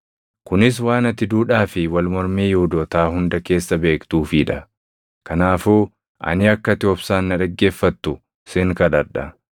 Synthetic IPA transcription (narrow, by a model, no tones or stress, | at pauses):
kʊnɪs̬waːnɐt̪ɪd̪uːᶑaːfɪwɐlmɔɾmiːjʊhʊd̪ɔːt̪aːhʊnd̪ɐke̞ːsːɐbe̞ːkt̪uːfɪːᶑɐ | kɐnaːfuː | ʔɐ̰nɪɐkːɐt̪ɪoɔːbsaːnːɐᶑɐɡːe̞ːfːɐt̪ːʊ | sɪŋkɐᶑɐɾᶑɐ